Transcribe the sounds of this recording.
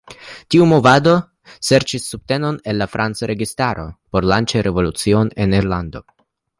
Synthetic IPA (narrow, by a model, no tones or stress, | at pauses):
tiumo̞vado̞ | se̞ɾt͡ʃisːub̚te̞no̞ne̞lːafɾʔant͡saɾe̞ɡistaɾo̞po̞ɾlant͡ʃeɾe̞vo̞lut͡sio̞ne̞niɾlando̞